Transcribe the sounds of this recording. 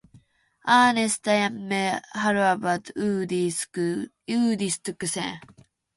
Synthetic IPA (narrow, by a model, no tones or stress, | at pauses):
aːnesɨ̥t̪ajamːehaɾɯabat̪ːdi̥ | jɯːd̪ist̪ɯkɯsḛ̃